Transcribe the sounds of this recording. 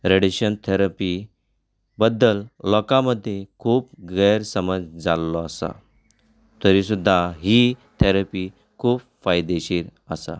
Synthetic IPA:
ɾeɽiɕənt̪ʰeɾapi | bəd̪ːəlːɔkaməd̪ʱːjekʰuːpɡəjɾsəməd͡zd͡zalːɔasa̰ | t̪əɾisud̪ʱːaɦit̪ʰeɾəpi | kʰuːb | fajd̪eɕiːɾəsa̰

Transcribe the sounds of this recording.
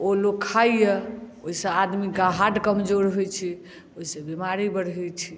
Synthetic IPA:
oloɡkʰːaijeoɦisə̃ad̪miɡaɦaɖkəmd͡ʒoɾɦojt͡ʃʰi | oɦisə̃bimaɾibəɽ̤ɛt͡ʃʰi

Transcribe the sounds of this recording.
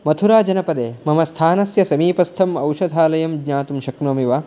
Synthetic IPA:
mɐt̪ʰuɾaːd͡ʒɐnɐpɐd̪eːmɐmɐst̪ʰaːnɐsjɐsɐmiːpɐst̪ʰɐmɐwʃɐd̪ʱaːlɐjɐmɡɲaːt̪umʃɐknoːmiʋaː

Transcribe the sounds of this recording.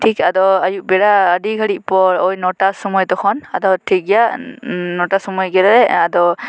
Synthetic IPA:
ʈʰikad̪ɔajuʔ̚bɛɽaːɖiɡʱaɽiʔ̚pɔɹɔjnɔʈasɔmɔjd̪ɔkʰɔnad̪ɔʈʰik̚ɡɛjanɔʈasɔmɔjɡɛlaɾɛad̪ɔ

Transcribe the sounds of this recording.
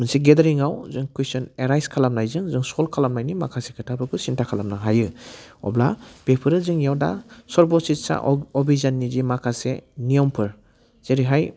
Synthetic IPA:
mɯnsiɡedaɾiŋawzɯŋkisɔneɾajskʰalamnajzɯŋzɯŋsɔlkʰalamnajnimakʰasekʰɯtʰapʰɯɾkʰusintʰakʰalamnaɦajɯɔ̰bla̰b̥epʰɯɾɯzɯŋjawda̰sɔɾbɔsitsa̰ʔɔbizanːizimakʰasenijɔmpʰɯɾ | z̥eɾiɦaj

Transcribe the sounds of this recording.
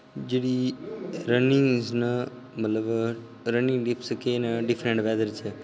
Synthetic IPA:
d͡ʒeɽi | ɾəniŋznə | mət̪ləb | ɾəniŋɖipskenəɖifʰɾəɳʈʋɛd̪əɾt͡ʃʰe

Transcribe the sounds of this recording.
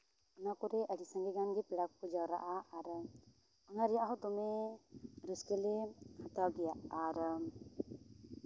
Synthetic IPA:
ɔnakɔɾɛʔəɖisãŋɡɛɡanɡɛpɛɽakkɔd͡ʒawɾa̰ʔaaɾ | ɔnaɾɛjaʔɦɔd̪ɔmɛ | ɾəskɛlɛhat̪awɡɛjaʔaɾ

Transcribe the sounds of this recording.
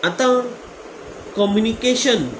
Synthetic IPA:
at̪ã | kɔmjunikeɕən

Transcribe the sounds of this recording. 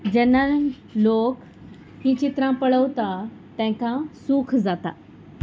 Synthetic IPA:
d͡ʑɛnːa | lok | ɦĩt͡ɕit̪ɾãpəɭəʋt̪at̪ɛ̃kãsukʰd͡zat̪a̰

